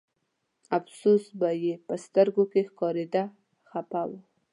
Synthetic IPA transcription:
afsusbajepəst̪əɾɡokexkɑɾed̪a | xapaw

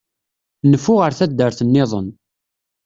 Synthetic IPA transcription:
nəfːʊʁəɾθæd̪ːəɾθənːɪðˤə̰n

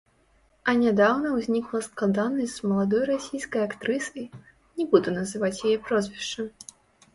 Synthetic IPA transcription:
ɐnʲad̪awnɐwzʲnʲiklˠɐsklˠad̪anɐsʲzmɐlˠad̪ɔjɾasʲijskɐjakt̪ɾɨsɐj | nʲɛbud̪ɛnɐzɨvat͡sʲjajɛpɾɔzʲvʲiʂt͡ʂɐ

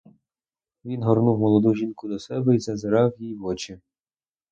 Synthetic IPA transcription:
ʋʲinɦɔrnuwmɔlˠɔd̪uʒʲinkʊd̪ɔsɛbɛizɐzeɾɑwjijʋɔt͡ʃɪ

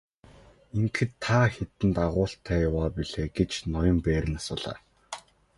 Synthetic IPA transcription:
iŋkʰɘ̆t̪ʰːaːxet̪ɘ̆nt̪aʁʊːɬt̪ʰæːjawaːpiɮeːɡet͡ɕnɔjɞ̆mpæːɾɘ̆nasʊːɮ̥a̰ː

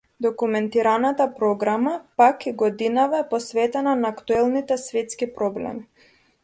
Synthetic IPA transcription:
d̪ɔkumɛnt̪iɾanat̪apɾɔɡɾamapakiɡɔd̪inavaɛpɔsvɛt̪ɛnanaːkt̪uɛlˠnit̪ɛsvɛt̪skipɾɔblɛ̰mi

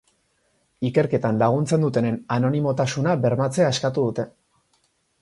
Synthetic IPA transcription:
ike̞ɾke̞t̪anlaɣ̞unt͡send̪ut̪e̞ne̞nano̞nimo̞t̪asunabe̞ɾmat͡se̞aeskat̪uðut̪e̞

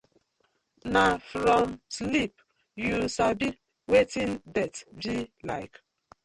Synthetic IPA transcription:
nafɾɔmslip | jusabi | wetĩndɛtbila̰ɪk

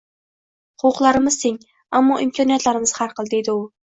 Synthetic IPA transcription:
χʊʊqlˠaɾɪmɪz̥seŋ | amːɒʔimkʰɑnijat̪laɾɪmɪz̥haɾqʰəlˠd̪ejd̪ɪʊ

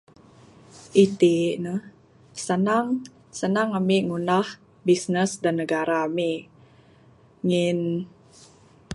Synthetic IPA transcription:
ʔit̪inəh | sənaŋ | sənaŋamiʔŋunah | bisnəsdanːəɡaɾaːmi | ŋɪn

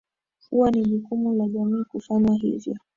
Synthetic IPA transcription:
huwaniʄukumulaʄamiːkufaɲaɦḭvjɔ

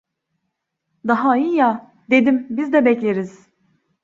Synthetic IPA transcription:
d̪aɦaija | d̪ed̪imbizd̪ɛbɛclʲeɾiz̥

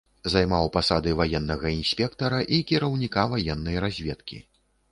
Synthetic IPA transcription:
zajmawpasad̪ɨvajɛnːɐɣɐinsʲpʲɛkt̪ɐɾɐʔikʲiɾɐwnʲikavajɛnːɐjɾazʲvʲɛt̪kʲḭ

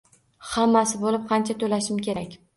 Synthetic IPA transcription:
hamːasɪbolɪp̚qʰɑnt͡ʃʰat̪ʰolaʃɪmkʲʰe̞ɾakʲ

